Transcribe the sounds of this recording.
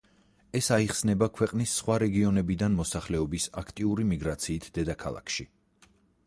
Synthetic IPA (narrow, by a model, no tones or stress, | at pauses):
ɛsaiχsnɛbakʰwɛqʼnisːχwaɾɛɡiɔnɛbid̪anmɔsaχlɛɔbisakʰt̪ʼiuɾimiɡɾat̪sʰiːt̪ʰd̪ɛd̪akʰa̰lˠa̰kʰʃi